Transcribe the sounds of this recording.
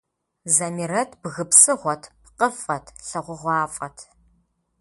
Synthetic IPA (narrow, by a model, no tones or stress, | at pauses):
zɐmirɐtʰbɣɨpsɨʁʷɔtʰpqəfʼɐtʰɬɐʁʷʊʁʷɑːfʼɐtʰ